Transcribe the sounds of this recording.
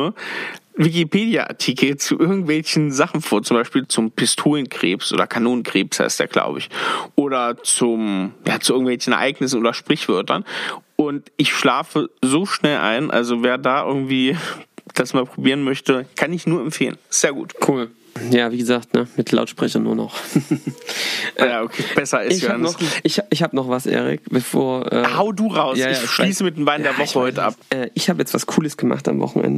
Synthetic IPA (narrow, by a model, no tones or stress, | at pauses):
u | vɪk̬ipeːdja̰ʔa̰tʰikl̩t͡suʔɪɐɡŋ̩tv̥ɛlçn̩zaχn̩foːɐt͡sʊmbaɪʃpiːlt͡sʊmpɪstʰoːlənkʁ̥ḛːpsʔo̰ːdɐkʰanoːnənkʁ̥eːpsha̰ɪstd̥ḛːɐɡ̥la̰ʊbəɪçʔoːɾɐt͡sʊmjaːt͡suʔɪɡŋ̩tv̥ɛlçn̩ʔɛɐʔaɪɡnɪs̬n̩ʔoːdɐʃpʁ̥ɪçv̥œɐtʰɐ̰nʔʊntʔɪçʃlaːfəzoːʃnɛlʔa̰ɪnʔa̰lzoveːɐdaːʔɪ̰ɐɡŋ̩tv̥iːd̥asmaːlpʁ̥obiːʁənmœçtəkʰanɪçnuːɐɛmfeːlənz̥eːɐɡṵːtkʰuːl | jaːviːɡəzaːktnəmɪtʰla̰ʊtʃpʁ̥ɛçɐnṵːɐnɔ̰χ | ʔaokʰeːb̥ɛsɐɪsɪaannɔʔɪçɪçhaːbənɔχvasʔḛːʁɪ̰kb̥əfoːɐʔɛ̰ːhaʊəduːʁaʊsjaːjaaʃiːsəmɪtdeːmbaɪndeɐvɔχəhɔʏtəʔa̰p̚ʔɛːʔɪçhaːbəjɛt͡stv̥askʰuːləsɡ̥əma̰χta̰mvɔ̰χn̩ʔɛ̰ndə